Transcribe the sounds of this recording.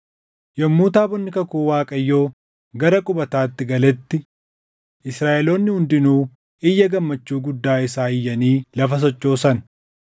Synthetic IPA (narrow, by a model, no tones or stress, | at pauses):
jɐmːuːt̪aːbɔnːɪkɐkuːwaːkʼɐjːoː | ɡɐɾɐkʼʊbɐt̪aːt̪ːɪɡɐlɛt̪ːɪ | ʔɪsɾaːʔɛlo̞ːnːɪhʊnd̪ɪnuː | ɪjːɐɡɐmːɐt͡ʃːuːɡʊd̪ːaːɪsaːɪjːɐniːlɐfɐs̬ɔt͡ʃʼːo̞ːsɐn